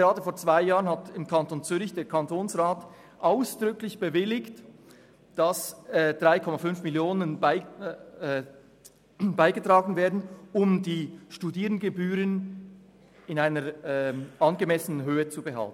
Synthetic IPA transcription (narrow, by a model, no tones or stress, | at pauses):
ɡ̥əʁaːdəfoːɐt͡sv̥aɪjaːʁənhatɪmkʰɑntont͡syːɾɪçd̥eːɐkʰɑntʰoːnsʁaːt | ʔaʊsd̥ʁʏklɪçb̥əvɪlɪkt | d̥asd̥ʁaɪkʰɔmafʏnfmɪljoːnənbɪ | baɪɡətʁ̥aːɡn̩veːɐdn̩ʊmdiːʃtudiːʁəndɡəbyːʁən | ɪnaɪnəɾʔɑnɡəmɛsənənɦøːət͡subəɦa̰ltn̩